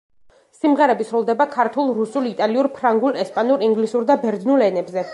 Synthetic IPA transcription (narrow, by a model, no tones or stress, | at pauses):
simʁɛɾɛbisɾɔlˠd̪ɛbakʰaɾt̪ʰulˠɾusulˠit̪ʼaliuɾpʰɾaŋɡulˠɛspʼanuɾiŋɡlisuɾd̪abɛɾd̪nulˠɛnɛbzɛ